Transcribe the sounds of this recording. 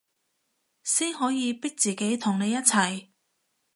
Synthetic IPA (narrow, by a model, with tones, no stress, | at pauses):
siː˥nɦɔː˨˥jiː˨˧pɪ˥k̚t͡siː˨ke˨˥jt̪ʰʊ˨˩ŋne˨˧jɐ˥t̚t͡sʰɐ˨˩j